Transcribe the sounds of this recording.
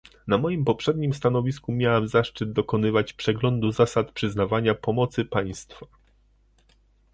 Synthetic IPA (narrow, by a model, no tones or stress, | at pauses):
namɔjimpɔpʂɛd̪ɲimst̪anɔvʲiskumʲjawamzaʂt͡ʂɘd̪̚d̪ɔkɔnɘvat͡ɕpʂɛɡlɔnd̪uzasat̪pʂɘznavaɲapɔmɔt̪sɘpaj̃st̪fa